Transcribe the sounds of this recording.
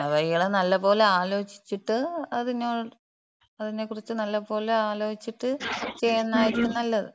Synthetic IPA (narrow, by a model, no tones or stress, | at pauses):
ɐʋɐjijɐɭenɐlːɐpo̞ːleaːlo̞ːt͡ɕi̥t͡ɕːiʈːɨɐðinoː | ɐðine̞kːurit͡ɕːɨnɐlːɐpo̞ːleaːlo̞ːit͡ɕːiʈːɨt͡ɕejɐnːaːjiɾikʲːumnɐlːɐðɨ